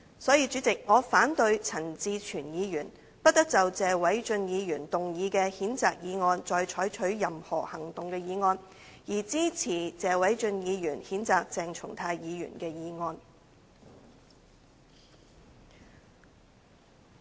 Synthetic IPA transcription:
sɔː˨˥jiː˧t͡ʃyː˨˥t͡sɪ˨k̚ŋɔː˨˧faː˨˥nt̪ɵ˧ɥt͡sʰɐ˨˩nt͡siː˧t͡ʃʰyː˨˩njiː˨˧jyː˨˩n | pɐ˥t̚t̪ɐ˥k̚t͡sɐ˨wt͡sɛː˨wɐ˨˥jt͡ʃɵ˧njiː˨˧jyː˨˩nt̪ʊ˨ŋjiː˨˧kɛː˧hiː˨˥nt͡saː˨k̚jiː˨˧ŋɔː˧nt͡sɔː˧jt͡ʃʰɔː˨˥jt͡ʃʰɵ˨˥ɥjɐ˨mhɔ̰ː˨˩hɐ˨˩ŋt̪ʊ˨ŋkɛː˧jiː˨˧ŋɔː˧n | jiː˨˩t͡siː˥t͡sʰiː˨˩t͡sɛː˨wɐ˨˥jt͡ʃɵ˧njiː˨˧jyː˨˩nhiː˨˥nt͡saː˨k̚t͡sɛː˨ŋt͡ʃʰʊ̰˨˩ŋt̪ʰaː˧jjiː˨˧jy̰ː˨˩nkɛː˧jiː˨˧ŋɔː˧n

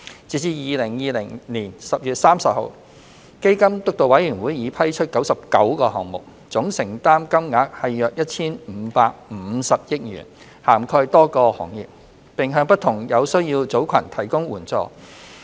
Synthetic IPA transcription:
t͡siː˨˥t͡siː˧jiː˨˧lɪ˨˩ŋjiː˨˧lɪ̰˨˩ŋniː˨˩nsɐ˨p̚jyː˨t̚saː˥msɐ˨p̚ho̰˨˧w | ke˥jkɐ˥mt̪ʊ˥k̚t̪o˨˧wɐ˨˥jyː˨˩nwuː˨˥jiː˨˧pʰɐ˥jt͡ʃʰɵ˥t̚kɐ˨˥wsɐ˨p̚kɐ˨˥wkɔː˧ɦɔː˨ŋmʊ˨˩k̚ | t͡sʊ˨˥ŋsɪ˨˩ŋt̪aː˥mkɐ˥mŋaː˨˥k̚hɐ˨jːœː˨k̚jɐ˥t̚t͡sʰiː˥nm̩˨˧paː˧k̚m̩ː˨˧˥sɐ˨p̚jɪ˥k̚jy̰ː˨˩n | haː˨˩mkʰɔː˧jt̪ɔː˥kɔː˧hɔ̰ː˨˩ŋjɪ̰˨˩p̚ | pɪ˨ŋɦœː˧ŋpɐ˥t̪ʰʊ˨˩ŋjɐ˨˧wsɵ˥ɥjiː˧wt͡so˨˥wkʰɐ˨˩nt̪ʰɐ˨˩jkʊ˥ŋwuː˨˩nt͡sɔ̰ː˧

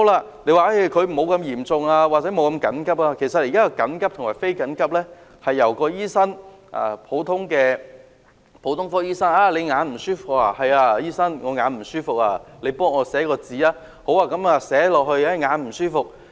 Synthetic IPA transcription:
ho˧˥wlaː˧ | le˨˧jwaː˨ʔe˥˩jkʰɵ˨˧ɥm̩˨˩ho˨˧wkɐ˧mjiː˨˩mt͡sʊ˨ŋaː˧waː˨k̚t͡sɛ˨˥mo˨˧wkɐ˧mkɐ˨˥nkɐ˥p̚aː˧kʰe˨˩jsɐ˨t̚jiː˨˩kaː˥kɔ˧kɐ˨˥nkɐ˥p̚t̪ʰʊ˨˩ŋwaː˨˩jfe˥jkɐ˨˥nkɐ˥p̚lɛː˥ | hɐ˨jːɐ˨˩wkɔː˧jiː˥sɐ˥n | ʔa̰ː˨˩pʰo˨˥wt̪ʰʊ˥ŋkɛː˧ | pʰo˨˥wt̪ʰʊ˥ŋfɔː˥jiː˥sɐ˥naː˧˩le˨˧jŋaː˨˧˥nm̩˨˩syː˥fʊ˨k̚aː˧hɐ˨jaː˧jiː˥sɐ˥nŋɔː˨˧ŋaː˨˥nm̩˨˩syː˥fʊ˨k̚aː˧le˨˧jpɔː˥ŋɔː˨˧sɛː˨˥kɔː˧t͡siː˨˧aː˧ | ho˨˥waː˨˧kɐ˨˥maː˨˧sɛː˨˥lɔː˨k̚hɵ˧ɥɛː˥ŋaː˨˧nm̩˨˩syː˥fʊ˨k̚

